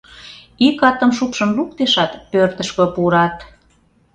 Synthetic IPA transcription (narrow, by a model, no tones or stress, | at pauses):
ikɑt̪ə̆mʃupʃə̆mluk̚t̪eʃɑt̪pørt̪əʃkøpuɾɑt̪